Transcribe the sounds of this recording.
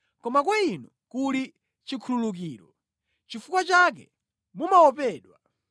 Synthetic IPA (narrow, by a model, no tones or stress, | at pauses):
kɔmakwainɔ | kuɾi | t͡ʃikʰululuk̬iːɾɔ | t͡ʃifukwat͡ʃak̬ɛ̰ | mumaɔpɛːɗwa